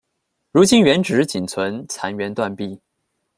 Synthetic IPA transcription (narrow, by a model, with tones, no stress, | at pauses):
ɻu˧˥t͡ɕi˥nɥɛ˧˥nʈ͡ʂɻ̩˧˥t͡ɕi˨˩nt͡sʰwə˧˥nt͡sʰa˧˥nɥɛ˧˥nt̪wa˥˧npi˥˩